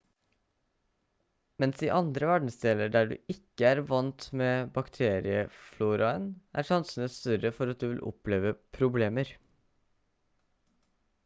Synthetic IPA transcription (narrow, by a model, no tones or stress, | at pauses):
mɛnsiːʔɑnd̪ɾəʋæɖɳ̩sd̪eːləɾɖæːɖʉ̰ːɪkːəæːɾʋɑnt̪meːbɑkt̪ʰeːɾɪəfluːɾɑənʔæ̰ːɾʂɑnsən̩əst̪œɾəfɔɾɑt̪̚d̪ʉːʋɪlʔʊ̰pleːʋəpʰɾʊbleːməɾ